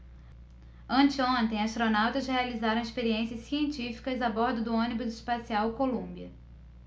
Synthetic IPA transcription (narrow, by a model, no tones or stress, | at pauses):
ɐ̃nt͡ʃɪõnt̪ẽj̃ast̪ɾonawt̪ɐzhealizaɾɐ̃w̃ɪspeɾiẽsiɐssiẽnt͡ʃifi̥kɐzabɔɾd̪ʊd̪ʊõnibʊzɪʃpasiawkolũbiɐ